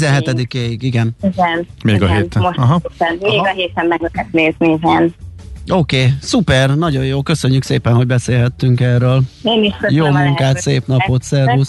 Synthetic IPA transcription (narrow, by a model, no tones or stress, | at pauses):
zɛnɦɛt̪ɛd̪ikeːjiɡiɡɛniɡɛnmeːɡɒɦeːt̪oʃɒɦɒɛnmeːɡɒɦeːt̪ɛmːɛɡlɛɦɛt̪neːznizɛnoːkeːsupɛrnɒɟo̞joːlkø̞søɲːykseːpɛnɦo̞ɟbɛseːlɦɛt̪ːyŋkɛrøːleːniʃøjoːmuŋkaːt̪seːpnɒpo̞t̪sɛrus